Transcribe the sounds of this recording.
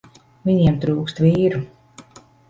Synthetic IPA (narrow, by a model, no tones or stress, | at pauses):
vʲiɲiɛmt̪ɾuːkst̪vʲiːɾu